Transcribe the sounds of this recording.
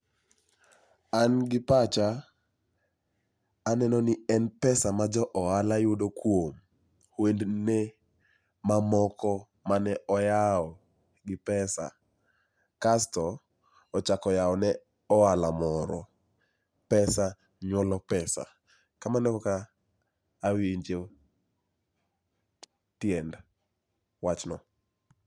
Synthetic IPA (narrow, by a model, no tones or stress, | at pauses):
anɡɪpat͡ʃa | nɛnɔnɪɛnpɛsamad͡ʒɔʔɔalajʊdokwom | hwendne | mamɔkɔ | manɛʔɔjaɔ | ɡɪpɛsa̰ | kastɔː | t͡ʃakɔjaɔnɛ | ɔalamɔɾɔ | pɛsa | ɲwɔlɔpɛsa̰ | kamanɛɔkaː | wiiɲd͡ʒe | tjɛnd | wat͡ʃnɔ̰